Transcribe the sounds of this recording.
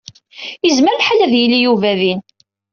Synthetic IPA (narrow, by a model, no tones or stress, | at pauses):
əzməɾlħalæðjilːijuvæðin